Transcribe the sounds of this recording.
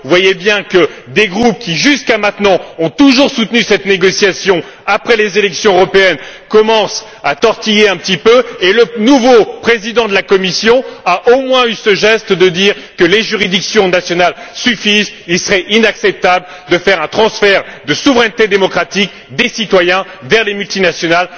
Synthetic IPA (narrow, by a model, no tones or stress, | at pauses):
vwajebjɛ̃kəd̪eɡʁup̚kʲiʒyskamɛ̃t̪nɑ̃ɔ̃t̪uʒuʁsut̪nysɛt̪neɡɔsjasjɔ̃ | apχɛlezelɛksjɔ̃øʁɔpeɛnkɔmɑ̃s | at̪ɔʁt̪ijeɛ̃pət̪ipøelənuvopχezid̪ɑ̃d̪əlakɔmisjɔ̃aʔomwɛ̃ysəʒɛst̪d̪əd̪iːʁkəleʒyʁid̪iksjɔ̃nasjɔnalsyfizilsəʁɛʔinaksɛp̚t̪abl | d̪əfɛʁɛ̃t̪χɑ̃sfɛʁd̪əsuvʁɛnt̪ed̪emɔkχat̪ik | d̪esit̪wajɛ̃ | vɛʁlemylt̪inasjɔnal